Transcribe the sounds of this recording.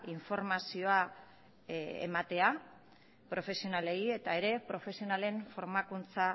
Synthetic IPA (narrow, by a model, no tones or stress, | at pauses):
iɱfo̞ɾmasio̞a | ḛmat̪e̞a | pɾo̞fe̞sio̞nale̞ie̞t̪ae̞ɾe̞pɾo̞fe̞sionale̞ɱfo̞ɾmakunt͡sa